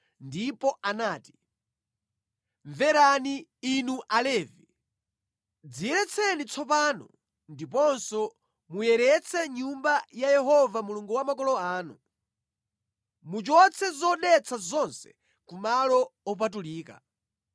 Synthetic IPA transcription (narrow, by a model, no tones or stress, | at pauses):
ndipɔanaːti̥ | ɱvɛɾaniːnuʔalɛːvi | d͡zijɛɾɛt͡sʰɛnit͡sʰɔp̬aːnɔ̰ | ndipɔnsɔ | mujɛɾɛt͡sʰɛɲumbajajɛɦɔvamuluŋɡuwamakɔlɔaːnṵ | mut͡ʃɔt͡sʰɛzɔɗɛt͡sʰazɔnsɛ̥ | kumalɔɔp̬at̬uliːka̰